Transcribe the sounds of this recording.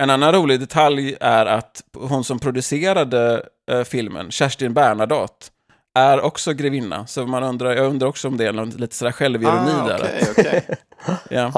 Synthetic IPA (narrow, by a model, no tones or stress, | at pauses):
ɛnanːanɾuːlɪɡd̪ɛt̪ʰaljæɾat̪ɦʊnsɔmpʰɾʊd̪ɵseːɾad̪ə | fɪlmə̰nɕæʂʈɪnbæːɳad̪ɑːt̪ | ʔæɾɔksɔɡɾɪvɪnːa̰sɔmanɵnd̪ɾaɾjɑːɡɵnd̪ɾaɾɔksɔɔmd̪ɛænɔliːt̪ə̥sɔd̪æːɾɧɛlvɪɾʊniːd̪æ̰ɾ̰ | jɑ